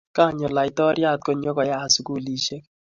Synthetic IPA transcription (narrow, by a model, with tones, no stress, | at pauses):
ka˦˨ɲɔ˨la˨ɪ˨tɔ˦ɾja˦˨t̚ko˨ɲo˦kɔ˨ja˦˨su˨ku˦˨li˨ʃe˦k̚